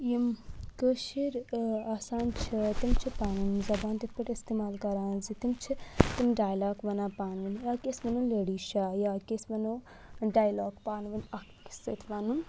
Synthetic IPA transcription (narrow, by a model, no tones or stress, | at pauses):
jimkəʃiɾaːsaːnt͡ʃʰit̪imt͡ʃʰipaːnumzɐbaːnt̪it̪̚ʰpəʈist̪eːmaːlkɐɾãːnzit̪imt͡ʃʰit̪imɖaːjlaːɡʋɐnaːpaːnʋɨnjakesmɐnuleɽiʃaːjaːkesmɐnu | ɖaːjloːɡpaːnʋɐnɐk | sit̪ʰʋanun